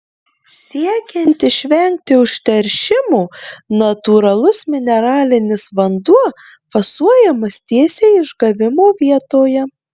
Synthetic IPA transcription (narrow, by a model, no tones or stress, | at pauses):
sʲiɛkʲɛnʲt̪ʲɪʃʲʋʲɛŋʲk̚t̪ʲɪʊʃʲt̪ʲɛɾʲʃʲɪmuːnɐt̪uːɾɐlˠʊsmʲɪnʲɛɾɑːlʲɪnʲɪsʋɐnd̪uɔ | fɐsuɔjɛmɐst̪ʲiɛsʲeːɪʒɡɐʋʲɪmoːʋʲiɛt̪oːjɛ